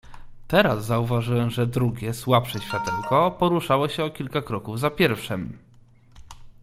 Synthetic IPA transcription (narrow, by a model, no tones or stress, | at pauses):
t̪ɛɾazːauvaʐɘwɛmʐɛd̪ɾuɡʲɛswapʂɛɕfʲjat̪ɛwkɔpɔɾuʂawɔɕɛɔkʲilkakɾɔkuvzapʲjɛɾfʂɛm